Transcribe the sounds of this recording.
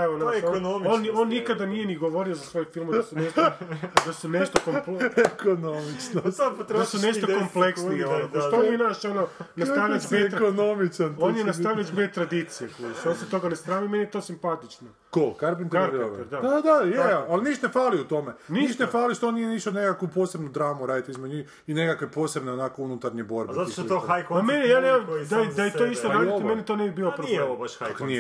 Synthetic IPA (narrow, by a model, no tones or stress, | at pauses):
eʋonanononːikad̪anijeniɡoʋo̞ɾiozasʋo̞jofilˠmaasuneʃt̪d̪asuneʃt̪okompekonomit͡ʃndd̪asuneʃokompleksieonopoʃt̪omenaʃononasaʋiʎat͡ʃbet̪ɾkonomit͡ʃanoːnjenasaʋʎat͡ʃbet̪ɾad̪it̪sijeklusonset̪o̞ɡanest̪ɾaːmimenijet̪o̞ːsimpat̪it͡ʃno | kokaɾpint̪eɾɾioʋd̪ad̪ad̪ajeaalniʃt̪nefaːliut̪omenniʃt̪nefaːliʃt̪onijeniʃt̪onekakʋupoːse̞bnud̪ɾaːmuɾaːd̪it̪izmdɲix | inekakʋepo̞ːse̞bneonakounut̪aɾɲebo̞ɾbatot̪oajamenjijaːneamd̪aajet̪oist̪oɾaːdiimenit̪oːnɛbibiːlopɾoibebaʃaknie